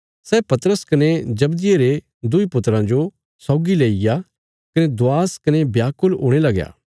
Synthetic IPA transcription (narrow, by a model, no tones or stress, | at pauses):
sɛːpɐt̪ɾəskɐned͡ʒɐbd̪ɪjeɾe | d̪ʊipʊt̪ɾãd͡ʒo | sɔːɡileːɪja | kɐned̪ʊaːskɐnebjaːkʊloːɽ̃elɐɡja̰ː